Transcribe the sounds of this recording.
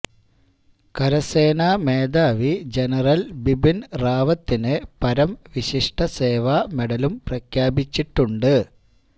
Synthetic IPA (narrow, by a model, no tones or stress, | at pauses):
kɐɾɐse̞ːnaːmeːd̪aːʋid͡ʑe̞nɐrɐlbibinraːʋɐt̪ːinɨpɐɾɐmʋiɕiʂʈʰɐse̞ːʋaːmeɽɐlumprɐkʰjaːbit͡ɕːiʈːuɳɖɨ